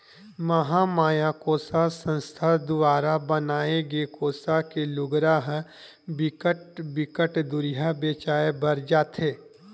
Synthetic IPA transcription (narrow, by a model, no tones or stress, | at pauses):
məɦamaːjaːkoːsasə̃nst̪ʰad̪ʊʋaːɾabənaːeɡeːkoːsakelʊɡɾaɦ | bɪkəʈbɪkəʈd̪ʊɾɪɦabeːt͡ʃaːebɐɾd͡ʒaːt̪ʰɦeː